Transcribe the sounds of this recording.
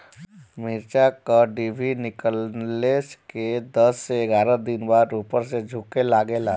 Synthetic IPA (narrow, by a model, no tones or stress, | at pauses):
mɪɾt͡ʃakaɖibʱinɪkəlesked̪əsːeːɡaːɾəd̪ɪnbaːɾuːpəɾsed͡ʒʱʊkelaːɡelaː